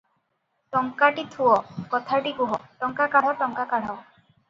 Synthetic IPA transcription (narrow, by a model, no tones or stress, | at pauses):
ʈɔŋkaʈit̪ʰuɔkɔt̪ʰaʈikuɦɔʈɔŋkakaɽ̤ɔʈɔŋkakaɽ̤ɔ